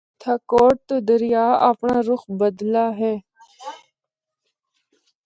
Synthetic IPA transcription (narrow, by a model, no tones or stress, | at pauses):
t̪ʰaːkoːʈ̚t̪oːd̪əɾɪjaːə̰pɳaːɾʊxbəd̪laːɦɛː